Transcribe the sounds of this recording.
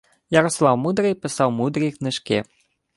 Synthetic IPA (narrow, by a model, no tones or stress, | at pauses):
jaɾɔslˠawmud̪ɾɨjpɨsawmud̪ɾɨjknɨʂkʲɛ